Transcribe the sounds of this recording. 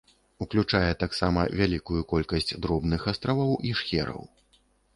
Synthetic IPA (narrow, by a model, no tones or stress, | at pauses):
uklʲut͡ʂajɛt̪aksamɐ̰vʲalʲikujukɔlʲkɐsʲt͡sʲd̪ɾɔbnɨxast̪ɾavɐwiʂxʲɛɾɐ̰w